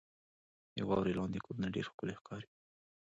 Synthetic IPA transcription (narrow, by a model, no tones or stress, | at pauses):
ja̰wɑ̰wɾelɑnd̪ekoɾunaɖḛɾxkəlexkʰɑɾi